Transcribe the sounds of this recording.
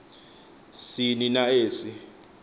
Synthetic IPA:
sininaeːsi

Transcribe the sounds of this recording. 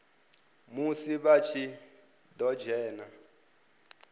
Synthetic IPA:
musiβat͡ʃʰi | d̪ɔd͡ʒɛːna

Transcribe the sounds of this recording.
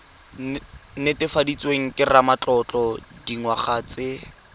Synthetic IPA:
nɪtɪfadit͡sʼweŋ̩kʼɪramat͡ɬʼɔt͡ɬʼɔdiŋwaχaːt͡sʼɪ

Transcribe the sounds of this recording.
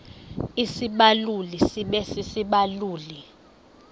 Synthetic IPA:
isiɓalulisiɓɛsisiɓaluːli

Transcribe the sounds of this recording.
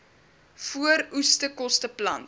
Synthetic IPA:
fuəɾustəkɔstəplɐnt

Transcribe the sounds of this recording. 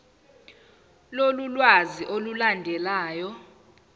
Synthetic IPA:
lolulwaziʔolulandʱɛlaːjɔ

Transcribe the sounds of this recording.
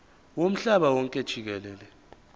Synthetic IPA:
wom̩ɬaɓawɔŋkʼɛd̥ʒ̥ʱik̬ɛlɛːlɛ

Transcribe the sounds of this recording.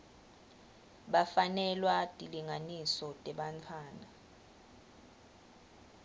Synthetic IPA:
ɓafanɛlwatʼiliŋanisɔtʼɛɓantʰaːna

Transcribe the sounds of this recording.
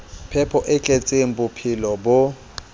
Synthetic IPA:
pʰɛpʰɔʔɛt͡ɬʼet͡sʼem̩bʊpʰɪlɔbʊ

